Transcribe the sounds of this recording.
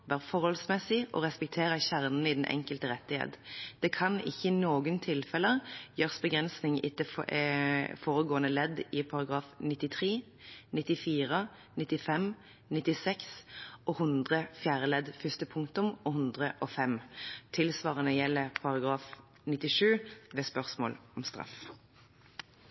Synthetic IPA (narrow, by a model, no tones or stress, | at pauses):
ʋæːʁfɔʁhɔlsmɛsɪʔɔ̰ːʁɛspɛk̚t̪ʰeːɾəçæʁnn̩ɪd̪ɛn̩ʔɛ̰ŋkəlt̪əɾɛt̪ːɪhḛːt̪d̪̥ɛːkʰɑnɪ̰çːənoːɡənt̪ʰɪlfɛləjøːʁsbəɡʁɛnsnɪŋɪt̪əɛfoːʁəɡoːənəlɛd̪ɪpʰɑɾɑɡʁɑːfnɪt̪ːɪt̪ʰʁeː | nɪt̪ːɪfiːʁə | nɪt̪ːɪfɛm | nɪt̪ːɪsɛksʔoːhʉnd̪ʁəfjæːʁəlɛd̪fʏst̪əpʰʊŋk̚t̪ʊmɔhʉnd̪ʁəʔɔfɛmt̪ʰɪlsʋɑːʁənəjɛlːəʁpʰɑʁɑɡʁɑːf | nɪt̪ːɪʂʉːʋeːspœʁsmo̰ːlɔmst̪ʁɑ̰f